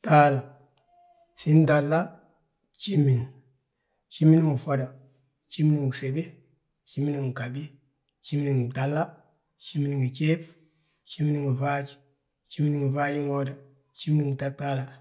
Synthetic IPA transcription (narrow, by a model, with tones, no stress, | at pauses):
ta˦la˨ | si˦nda˨lːa˦ | t͡ʃi˦mːi˨n | t͡ʃi˦mi˦ni˦ŋu˨fo˦da˨ | t͡ʃi˦mi˦ni˦ŋi˨se˨be˦ | t͡ʃi˦mi˦ni˦˨ŋi˨ka˨bi˦ | t͡ʃi˦mi˦ni˨ŋi˨ta˨lːa˦ | t͡ʃi˦mi˦ni˨ŋi˨ke˦p | t͡ʃi˦mi˦ni˦ŋi˨va˦d͡ʒi̥˦ | t͡ʃi˦mi˦ni˨ŋi˨va˦d͡ʒi˦ŋo˦da˨ | t͡ʃi˦mi˦ni˦ŋi˨ta˦k̚ta˦la˨